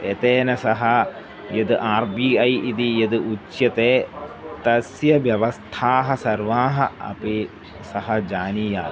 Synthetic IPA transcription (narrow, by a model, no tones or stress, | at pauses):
et̪eːnɐsɐɦɐ | jɐd̪ɨʔaːɾbiːɐjʔid̪ijɐd̪ɨʔut͡ʃjɐt̪eːt̪ɐsjɐʋjɐʋɐst̪ʰaːɦɐsɐɾʋaːɦɐɐ̰pi | sɐɦɐd͡ʒaːniːjaː